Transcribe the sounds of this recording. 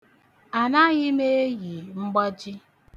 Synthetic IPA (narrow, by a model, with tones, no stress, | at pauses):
a˨na˦ɣɪ˦me˦e˦ɣi˨ŋ͡m̩˦ɡ͡bɔ˦d͡ʒi˦